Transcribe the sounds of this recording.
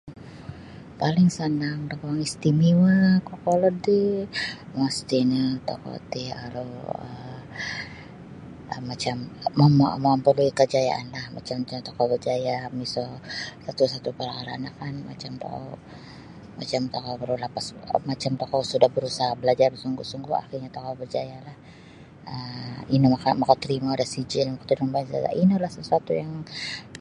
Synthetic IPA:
palɪŋsənaŋt̪ɔkɔŋist̪imiwakɔkolɔddi | mast̪inat̪o̰kɔ̰t̪ia̰ɾuə | əmat͡ʃamːammaampəluikəd͡ʒaja̰ʔa̰nlahma̰t͡ʃamat͡ʃat̪okɔbəd͡ʒajamisɔsat̪usat̪upaɾakalaːnakanma̰t͡ʃamt̪o̰ka̰ | ma̰t͡ʃamt̪okabəɾulahpasmat͡ʃamt̪okawsudahbəɾusaɦabəlad͡ʒarsuŋɡusuŋɡua̰xirɲat̪okawbərd͡ʒajalah | əinimakamakat̪əɾimaudahsid͡ʒɪlmakə̥t̪udnbaɲsa̰ta̰ʔinulahsəsuat̪ujaŋ

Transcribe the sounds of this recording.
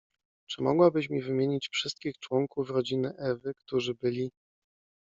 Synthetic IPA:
t͡ʂɘmɔɡwabɘɕmʲivɘmʲjeɲit͡ɕfʂɘst̪̚kʲixt͡ʂwɔŋkufɾɔd͡ʑinɘʔɛvɘkt̪uʐɘbɘlʲi

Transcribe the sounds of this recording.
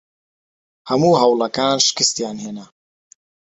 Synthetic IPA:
hɐmuːɦɐwlɐkaːnʃɪ̥kɪst̪jaːnheːna

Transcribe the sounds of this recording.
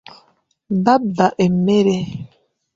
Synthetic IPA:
babaʔemeɾe

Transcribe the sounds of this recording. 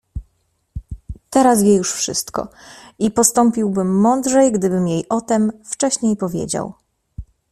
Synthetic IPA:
t̪ɛɾasvʲjɛjuʂfʂɘ̰st̪kɔ̰ipɔst̪ɔmpʲiwbɘmːɔnd̪ʐɛjɡd̪ɘbɘmjejʔɔt̪ɛmft͡ʂɛɕɲejpɔvʲjḛd͡ʑa̰w

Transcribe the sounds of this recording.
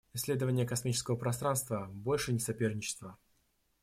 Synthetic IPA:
ɪsʲːlʲe̞d̪əvənʲɪjəkɐsmʲit͡ɕɪskəvəpɾɐst̪ɾanst̪vəbo̞lʲʂɨnʲɪsɐpʲe̞rnʲɪt͡ɕɪ̥st̪və

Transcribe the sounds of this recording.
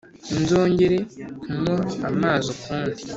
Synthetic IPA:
inzo̞ːɲɟeɾekumoamaːzokuːndi

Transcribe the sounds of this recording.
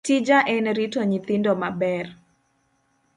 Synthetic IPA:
tid͡ʒaʔɛnɾitɔɲit̪indɔmabɛr

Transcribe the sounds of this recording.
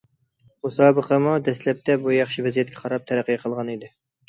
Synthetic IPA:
osɑːbəqʰəmud̪ɛslɛp̚t̪ɛbujɑχʃivɛzijɛt̪̚kʲʰɛqʰɑɾɑp̚t̪ʰɛɾæqːəjqʰəlˠʁɑnid̪ɪ

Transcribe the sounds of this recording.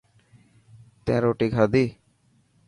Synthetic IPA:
t̪ḛ̃ːɾoːʈiːkʰaːd̪iː

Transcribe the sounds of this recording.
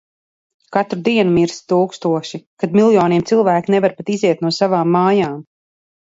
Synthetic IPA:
kat̪ɾud̪iɛnumiɾst̪uːkst̪uɔʃikad̪milˠjɔːniɛmt̪silˠvæːkinɛvaɾpat̪iziɛt̪̚nuɔsavaːmːaːjaːm

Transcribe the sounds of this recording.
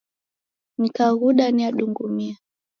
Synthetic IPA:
nikaɣuɗaniaɗuŋɡumia

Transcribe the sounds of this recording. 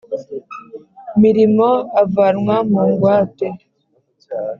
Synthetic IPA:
miɾimoavaɾŋwamuŋɡwaːte

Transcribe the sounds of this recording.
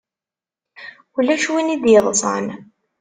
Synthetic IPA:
ulːæʃwinid̪jəðˤsˤɑ̰n

